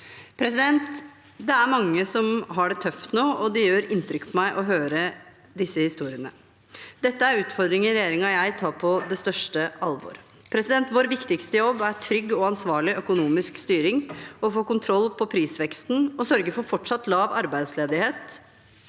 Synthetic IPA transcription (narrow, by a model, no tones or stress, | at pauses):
pʰɾɛs̬ɪd̪ɛnt̪ | d̪ɛæɾmɑŋːəsɔmɦɑɖɛt̪ʰœft̪noːʔɔd̪ɪjøːɾɪnt̪ɾʏkːpʰɔmæɪʔɔɦøːɾə | d̪ɪsːəhɪst̪uːɾɪənə | d̪ɛt̪ːəæɾʉːt̪fɔɾd̪ɾɪŋəɾɛjeːɾɪŋɑjæɪt̪ʰɑːpʰɔd̪ɛst̪œʂʈəɑlʋɔ̰ːɾ | pʰɾɛsɪd̪ɛnt̪ʋoːɾʋɪkt̪ɪkst̪əjɔbːæʈʰɾʏɡːɔɑnsʋɑːɭɪʔœkʊnuːmɪskst̪yːɾɪŋɔfoːkʊnt̪ʰɾɔlːpʰɔpʰɾiːsʋɛkst̪nɔsœɾɡəɾfɔɾfɔʈʂɑt̪ːlɑːʋɑ̰ɾbæɪd̪sleːd̪ɪheːt̪